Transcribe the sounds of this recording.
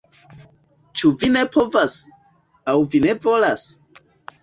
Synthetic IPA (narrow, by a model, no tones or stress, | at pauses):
t͡ʃuvine̞pʰo̞vas | awvine̞vo̞las